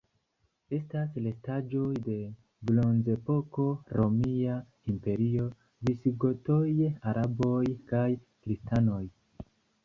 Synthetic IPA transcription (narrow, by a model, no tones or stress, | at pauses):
e̞stasle̞stad͡ʒo̞jde̞ | blo̞nze̞po̞ko̞ɾo̞mia | impe̞ɾio̞ | visɡoto̞jaɾʔabo̞jkaj | kɾistano̞j